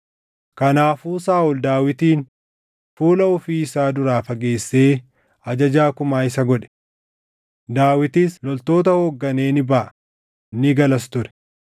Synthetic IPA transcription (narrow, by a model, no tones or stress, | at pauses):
kɐnaːfuːsaːʔʊld̪aːwɪt̪iːn | fuːlɐɔfiːɪsaːd̪ʊɾaːfɐɡe̞ːsːeː | ɐd͡ʒɐd͡ʒaːkʊmaːɪsɐɡɔᶑɛ̥ | d̪aːwɪt̪islɔlt̪o̞ːt̪̬ɐhoːɡːɐne̞ːnɪbɐʔɐ | nɪɡɐlɐs̬t̪ʊɾɛ̥